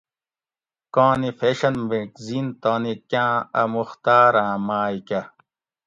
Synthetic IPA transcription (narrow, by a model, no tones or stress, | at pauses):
kõːnifeːɕɐnmekziːnt̪oːnikjãːɐmuxt̪aːɾãːmaːjkɐ